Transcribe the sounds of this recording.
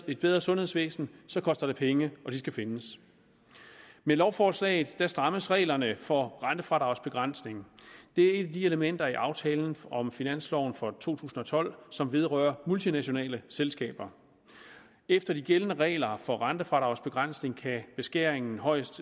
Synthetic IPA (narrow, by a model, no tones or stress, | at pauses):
e̝d̥̚b̥eð̞ˠʁɐsɔ̽nhe̝sʋḛːsn̩sɒ̽kʰɒ̽sd̥ɐd̥e̝pʰeŋəɒ̽d̥isɡ̥æfe̝nəs | melɒʊfɒːslɛ̰ːɪð̩ˠd̥æsd̥ʁɑ̈məsʁɛ̰ɪlɐnəfɒ̽ʁɑnd̥əfʁɑ̈ɾ̥ɑ̈ʊsb̥e̝ɡ̥ʁɑn̰sne̝ŋd̥e̝æɐe̝d̥æd̥ie̝ləmen̰d̥ɐiʔɑ̈ʊt͡sʰɛːln̩ɒ̽mfinæn̰slɒʊn̩fɒ̽t͡sʰo̝̰ːt͡sʰṵːsn̩ɒ̽t͡sʰɒ̽l̰sɒ̽mʋe̝ð̞ˠʁœ̰ːɐmult͡sʰinæɕo̝nɛ̰ːləselsɡ̥ɛ̰ːb̥ɐ | efd̥ɐd̥iɡ̥elənəʁɛ̰ːɪlɐfɒ̽ʁɑnd̥əfʁɑ̈ɾɑ̈ʊsb̥e̝ɡ̥ʁɑn̰sne̝ŋkʰæb̥e̝sɡ̥eɐ̰e̝ŋn̩ɦɒ̽ɪ̰sd̥